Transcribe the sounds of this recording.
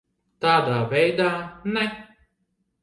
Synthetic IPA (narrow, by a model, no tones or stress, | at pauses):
t̪ad̪abed̪anãj